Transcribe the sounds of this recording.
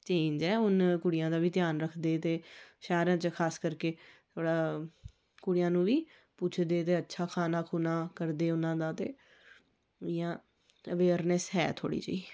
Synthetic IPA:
t͡ʃeːɲd͡ʒɛːʊnkʊɽɪjãːd̪aːʋiːt̪ɪjaːnɾəkʰd̪eːt̪eːʃaːɾãːt͡ʃkʰaːskəɾkeːt̪ʰoːɽaː | kʊɽɪjãːnũːʋiː | put͡ʃʰd̪eːt̪eːətːʃʰaːkʰaːnaːkʰuːnaːkəɾd̪eːʊnãːd̪aːt̪ḛː | ɪjãː | əʋeːɾnɛsɦɛ̰ːt̪ʰo̰ːɽḭːt͡ʃə̰iː

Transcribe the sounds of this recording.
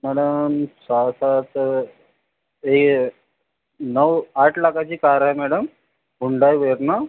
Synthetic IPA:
mæɽəmsasat̪ | ek | nəʋaʈʰlakat͡ɕiːkaɾajmɛɽəm | uɳɖajʋəɾna

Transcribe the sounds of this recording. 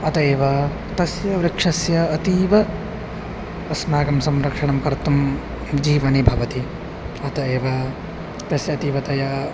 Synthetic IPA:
ɐt̪ɐeːʋɐ | t̪ɐsjɐʋɾɐkʂɐsjɐːt̪iːʋɐ | ɐsnaːɡɐmsɐmɾɐkʂɐɳɐmkɐɾt̪um | d͡ʒiːʋɐnibʱɐʋɐt̪i | ɐt̪ɐeːʋɐ | t̪ɐsjɐːt̪iːʋɐt̪ɐjɐ

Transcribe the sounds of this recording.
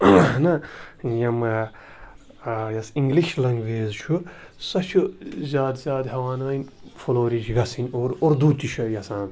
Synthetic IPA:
nɐjɐm | jɐsiŋɡliʃlɐŋɡʋeːzt͡ʃʰu | sɐt͡ʃʰuzʲaːd̪zʲjaːd̪ɦɐwaːnɐːinʲfoloːɾit͡ʃɡɐsinʲoːɾoɾd̪uːt̪ʲiʃʰɐjɐsãːn

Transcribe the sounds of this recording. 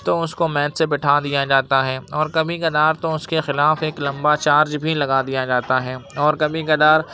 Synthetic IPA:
t̪oʊskomɛːt̪sebɪʈʰad̪ijad͡ʒaːt̪aɦɛːɔːɾkɐbʱikɐd̪aːɾt̪oʊskexɪlaːfeːklɐ̃mbat͡ʃaːɾd͡ʒbʱilɐɡad̪ijad͡ʒaːt̪aɦɛːɔːɾkɐbĩkɐd̪aːɾ

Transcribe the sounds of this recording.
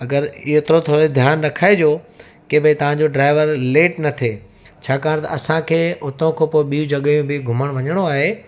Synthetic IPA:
ɐɡəɾɪɦot̪ɾot̪ʰoːɾed̪ʱjaːnɾɐkʰaːed͡ʑoː | kebɪ̃t̪ɐʋ̤ãɲd͡ʑoɖɾaːɪʋəɾleːʈnɐt̪ʰeː | t͡ɕʰaːkaːɾ̃t̪ɐ̰ɐsãkʰeːʊt̪õkʰẽpoːɪɓijũd͡ʑɐɠəjũbɪɡʱʊməɽ̃ʋɐɲəɽ̃oaːɦe

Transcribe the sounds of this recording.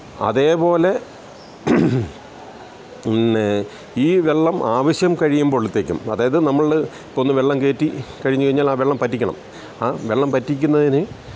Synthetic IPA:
ɐ̰ðe̞ːpo̞ːle̞ | iːʋe̞ɭːɐmʔaːʋɐɕjɐmkɐɻijumboɭut̪ːeːkʲːṵmɐðaːjɐðɨnɐmːɐɭipːoonːɨʋeɭːɐmke̞ːtːikɐɻiɲːukɐjiɲːaːlaːʋeɭːɐmpɐtːikʲːɐɳɐ̰m | aːʋeɭːɐmpɐtːikʲːunːɐðinɨ

